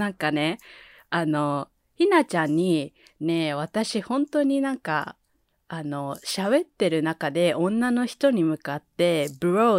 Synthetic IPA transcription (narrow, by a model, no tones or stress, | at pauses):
ãŋkane̞ | ano̞ | çinat͡ɕãɲ̟ːi | ne̞β̞at̪aɕihõ̞nt̪o̞ɲ̟inãŋka̰ː | no̞ɕaβe̞t̪ːe̞ɾɯ̟nakad̪e̞ʔõ̞nːano̞çi̥t̪o̞ɲ̟imɯ̟kat̪ːe̞bɯ̟ɾo